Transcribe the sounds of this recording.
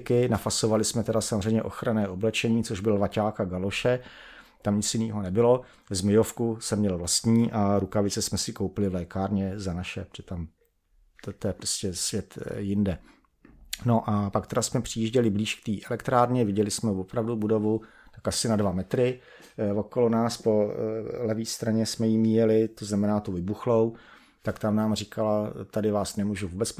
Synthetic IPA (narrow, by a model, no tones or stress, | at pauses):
kɪnafasovalɪsmɛt̪ɛdasamor̝ɛjmɲɛʔo̞xɾanɛːʔo̞blɛt͡ʃɛɲiːt͡soʒbɪlvacaːkaɡalo̞ʃɛ | t̪amɲɪt͡sjɪniːɦonɛbɪlo̞ | zmɪjofkusɛmːɲɛlvlast̪ɲiːʔaɾukavɪt͡sɛsmɛsɪkowpɪlɪvlɛːkaːɾɲɛzanaʃɛpɛt̪am | t̪t̪ojɛpɾoscɛsvjɛt̪jɪndɛ | no̞ʔapakt̪ɛɾasmɛpr̝̥ɪjiːʒɟɛlɪbliːʃk̚t̪iːʔɛlɛkt̪ɾaːɾɲɛvɪɟɛlɪsmɛvopɾavdubudo̞vu | t̪akʔasɪnadvamɛt̪ɾɪ | oko̞lonaːspo̞lɛviːst̪ɾaɲɛsmɛjimiːjɛlɪt̪oznamɛnaːt̪uvɪbuxlow | t̪akt̪amnaːmr̝ɪkalat̪adɪvaːsnɛmuːʒuvuːbɛt͡sp